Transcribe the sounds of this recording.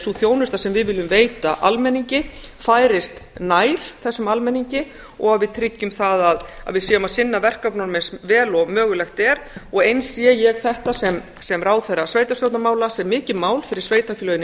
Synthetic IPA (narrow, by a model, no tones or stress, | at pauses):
suθjoːwnʏst̪asɛmvɪðvɪlːʏmveːjt̪a̰ʔa̰lmɛnːiɲcɪfaːjɾɪst̪naːjɾ̥θɛsːʏmalmɛnːiɲcɪ | ɔɣaðvɪðt̪ʰɾɪcːʏmθaðaða̰ðvɪðsɛʏmaðsɪnːavɛr̥kapnɔɾmɛnsvɛːlɔɣmœːɣʏlɛxt̪ɛɾɔɣejnsjɛjɛɣθɛht̪asɛm | sɛmraːwθɛrːasvejt̪asfjowt̪namaːwlasɛmmːɪːcɪðmaːwlfɪɾɪɾ̥sveːjt̪afilœjnɪ